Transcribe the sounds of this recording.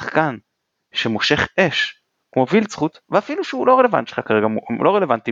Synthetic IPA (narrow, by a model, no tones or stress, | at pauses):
ḁχkan | ʃemoʃe̞χe̞ʃ | kmo̞vilt͡sχut̪veafiluʃeulo̞ʁele̞va̰nt̪ʃe̥lχakaeɡalo̞ʁelevant̪i